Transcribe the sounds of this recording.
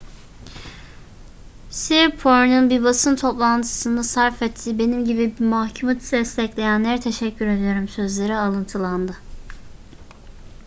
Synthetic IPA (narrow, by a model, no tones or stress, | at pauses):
siɾpʰoɾnɯnbiɾbasɯnt̪ʰo̞plˠant̪ʰɯ̥sɯnd̪asaɾfɛt̪ʰːibe̞nimɟibibimahcʰumat̪ʰi̥d̪ɛst̪ʰɛclʲe̞jænlʲeɾɛt̪ʰe̞ʃɛcʰːyɾe̞d̪ijo̞ɾumsø̞zlʲe̞ɾialˠɯnt̪ʰɯlˠand̪ɯ